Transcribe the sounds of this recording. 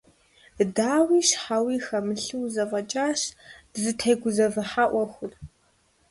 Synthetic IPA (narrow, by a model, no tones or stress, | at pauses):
daːwiːʃħawiːxɐmɨɬɨwzɐvɐt͡ʃʼaːʃzɨtʰejɡʷʊzɐvɐħaʔʷɔxʷʊr